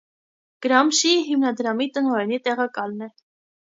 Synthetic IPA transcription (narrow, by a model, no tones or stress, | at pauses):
ɡ̥əɾɑmʃiɦimnɑd̪ɾɑmit̪ənɔɾɛnit̪ɛʁɑkɑlnɛ